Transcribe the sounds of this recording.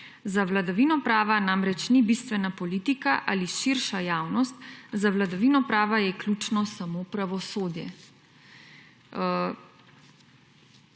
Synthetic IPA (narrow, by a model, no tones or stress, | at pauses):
zaʋlad̪aʋiːnɔpɾaːʋanamɾɛt͡ʃnibiːst̪ʋɛnapɔliːt̪ikaʔa̰ːliʃiɾʃajaːwnɔst̪zaʋlad̪aʋiːnɔpɾaːʋajɛklʲuːt͡ʃnɔsamopɾaʋɔsoːd̪jɛ̰